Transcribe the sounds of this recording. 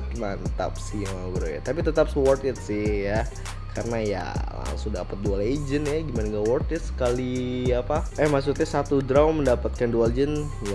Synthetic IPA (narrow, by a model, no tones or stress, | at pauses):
t̪mant̪a̰p̚simabəɾa̰ja̰t̪apit̪ət̪ap̚səwɔrt̪ɪt̪̚sɪhja | kʰarənaja̰la̰ŋsʊŋdapat̪̚dualed͡ʒənjaɡimanaŋɡawɔrt̪ɪt̪̚sə̥kaliapaɛhmaks̬ut̪̚ɲasat̪udɾawnməndapat̪̚kanduald͡ʒən | ja